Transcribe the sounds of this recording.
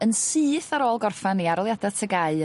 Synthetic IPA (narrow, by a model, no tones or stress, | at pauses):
ənsɨːθaɾoːlˠɡɔrfaniaɾɔlˠjadatʰəɡaɨ